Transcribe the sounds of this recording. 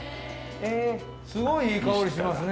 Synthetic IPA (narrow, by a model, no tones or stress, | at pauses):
eː | sɨɡo̞iiːkaoɾʲiɕimasɨn